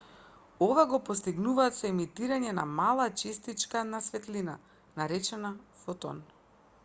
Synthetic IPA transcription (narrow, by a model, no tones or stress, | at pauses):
ovaɡɔpɔst̪iɡnuvaːt̪sɛmit̪iɾaɲɛna̰malˠat͡ʃɛst̪it͡ʃkanasvɛt̪lina | naɾɛt͡ʃɛnafɔt̪ɔ̰n